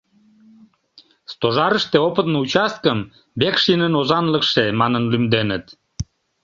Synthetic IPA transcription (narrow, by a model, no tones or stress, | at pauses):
st̪oʒɑɾəʃt̪eopət̪nout͡ɕɑst̪̚kəm | bekʃinənozɑnləkʃemɑnənlymd̪enət̪